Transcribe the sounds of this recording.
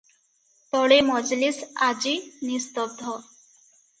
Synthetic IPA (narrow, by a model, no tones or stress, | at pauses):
t̪ɔɭemɔd͡ʒlisad͡ʒinist̪ɔb̚d̪ʱɔ